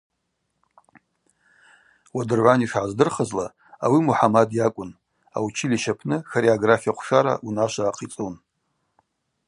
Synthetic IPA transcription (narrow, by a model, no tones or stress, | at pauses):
wadɨrʕʷaniʂʕazdɨrχəzla | awimuħamadjakʷʼʊn | a̰wt͡ʃʰiliʃapʰnɨxaɾiaɡrafiaqʷʰʂaɾa̰ʔunaʃʷaːqʰʼit͡sʼɨn